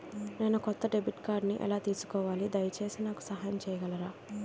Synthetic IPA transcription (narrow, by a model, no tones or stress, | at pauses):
ne̞ːnukɔt̪ːɐɖe̞biʈkaːɖniʔɛ̰laːt̪iːsu̥kɔːʋaːlid̪ɐjɐt͡ʃe̞ːsinaːku̥sɐɦaːjɐmt͡ʃɛːjɐɡɐlɐɾaː